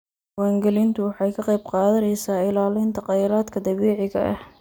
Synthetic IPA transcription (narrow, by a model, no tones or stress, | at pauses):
waːŋɡɛlɪnt̪ʰʊwɑħɑjkʰɐqɑjb̚qɑːðɐnɛjsaːɪlaːlɪnt̪ʰɐqɑjɾaːd̪kʰɐd̪ɐβɛːʕɪɣɐ̰ʔɐ̰h